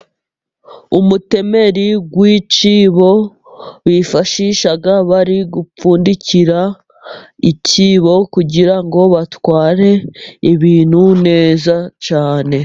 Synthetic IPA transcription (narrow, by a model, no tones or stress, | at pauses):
umute̞me̞ɾiɡwiːt͡ʃiːβo̞ | βifaʃiʃaɡaβaɾiɡup͡fuːndiciɾa | iciːβo̞kuɟiɾaŋɡo̞βatwaːɾe̞iβiːn̥hune̞ːzat͡ʃaːne̞